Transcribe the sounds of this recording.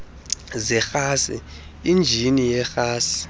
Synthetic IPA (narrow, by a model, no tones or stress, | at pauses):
zɛxaːsɛ̰ | ind͡ʒʱinijɛxaːsi̥